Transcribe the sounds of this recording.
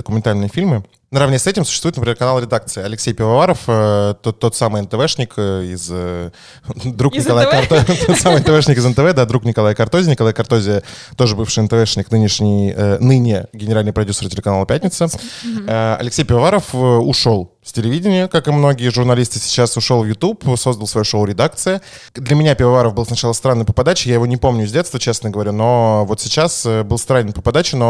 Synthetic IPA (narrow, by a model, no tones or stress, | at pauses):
d̪əkʊmʲɪnt̪alʲnɨjəfʲilʲmɨ | nəɾɐvnʲesɛtʲɪmsʊ̥ɕːst̪vuɪt̪pɾʲɪmʲeɾkɐnalˠɾʲɪd̪ak̚t̪sɨɪɐlʲɪksʲejpʲɪvɐvaɾəfət̪ot̪ːo̞t̪samɨjɛnt̪əvɛʂnʲɪkəɪz | d̪ɾuknʲɪkɐlˠajt̪t̪ot̪samɨjɛnt̪əvɛʂnʲɪkɨɪzənt̪əvɛd̪ad̪ɾuknʲɪkɐlˠajəkɐrt̪o̞zʲɪnʲɪkɐlˠajəkɐɾrt̪o̞zʲɪət̪o̞ʐɨbɨfʂɨjənt̪əvɛʂnʲɪknɨnʲɪʂnʲɪjənɨnʲɪɡʲɪnʲɪɾalʲnvəpɾɐdʲusəɾrtʲɪlʲɪkɐnalˠəpʲætʲnʲɪt̪səəɐ̰lʲɪksʲejpʲɪvɐvaɾəfəʊʂo̞lˠ | sʲtʲɪlʲɪvʲidʲɪnʲɪjəkakɨmno̞ɡʲɪjəʐʊrnɐlʲist̪ɨsʲɪ̥t͡ɕasʊʂo̞lˠvjʊt̪upʰso̞zd̪əlˠsvɐjuʂoʊɾʲɪd̪ak̚t̪sɨjə | d̪lʲəmʲɪnʲapʲɪvɐvaɾəfbɨlˠsnɐt͡ɕalˠəst̪ɾanːəjpəpɐd̪at͡ɕɪjajɪvo̞nʲɪpo̞mnʲʊzʲdʲe̞t̪st̪vət͡ɕe̞snəɡəvɐɾʲuno̞vo̞t̪sʲɪt͡ɕasəbɨlˠst̪ɾanʲɪnpəpɐd̪at͡ɕɪno̞